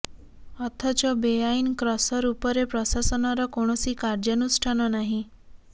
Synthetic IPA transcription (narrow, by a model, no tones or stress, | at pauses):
ɔt̪ʰat͡ʃɔbejainkɾɔsɔɾupəɾepɾɔsasɔnaɾɔkoɽ̃ɔsikaɾd͡ʒanusʈʰanɔnaɦĩ